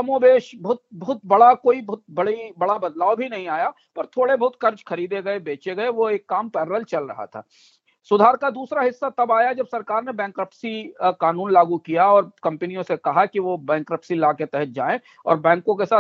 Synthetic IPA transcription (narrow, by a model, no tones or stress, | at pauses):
sɐmõːbeːʃbɐɦʊt̪̚bɐɦʊt̪̚bɐɽakoːibt̪̚bɐɽibɐɽabɐd̪laːobʱinɐɦĩaːja | pɐɾt̪ʰoːɽebɐɦʊt̪kɐɾt͡ʃkʰɐɾiːd̪eɡɐebeːt͡ʃeɡɐeʋoeːkːaːmpɛːɾɾəlt͡ʃɐlɾɐ̰ɦa̰t̪ʰa̰ː | sʊd̪ʱaːɾkad̪uːsɾaɦɪsːat̪ɐbaːjad͡ʒɐbsɐɾkaːɾnebɛ̃ːŋkɾɐpsikaːnuːnlaːɡukijaɔːɾkɐ̃mpɛnijõsekɐɦakiʋobɛ̃ːŋkɾɐpsilaːket̪ɛɦət̪̚d͡ʒaːẽ | ɔ̰ːɾbɛ̃ːŋkõkesaː